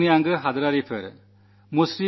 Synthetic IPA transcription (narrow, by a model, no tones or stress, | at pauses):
nijaŋɡɯɦad̪ɐɾaɾipʰɯ̰ɾ | musɾi